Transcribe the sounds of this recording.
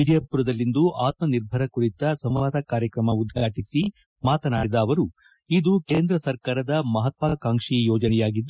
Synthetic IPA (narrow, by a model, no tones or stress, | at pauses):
id̪ijɐpuɾɐd̪ɐlːind̪uʔaːt̪mɐniɾbʱɐɾɐkuɾit̪ɐsɐmʋaːd̪ɐkaːɾjɐkɾɐmɐud̪ʱjaːʈisi | maːt̪ɐnaːɽid̪ɐːʋɐɾu | id̪ukeːnd̪ɾɐsɐɾkaːɾɐd̪ɐmɐɦɐt̪ʋakaːŋʂijɔːd͡ʒɐnɛjaːɡid̪ːu